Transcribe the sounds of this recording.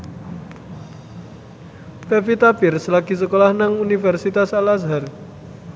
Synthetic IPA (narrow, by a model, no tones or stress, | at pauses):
pefit̪apɪrsəlakisəkolahnaŋunifɛrsit̪asalasɦar